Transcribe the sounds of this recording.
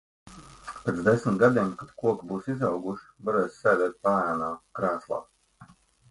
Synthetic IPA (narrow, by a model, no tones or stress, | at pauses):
pet̪zd̪esmʲt̪ɡad̪iɛmkad̪kuɔkbuːsizɑwɡuʃvaɾɛːsːɛjd̪ɛːt̪̚paːjanaːkɾaːslˠa̰ː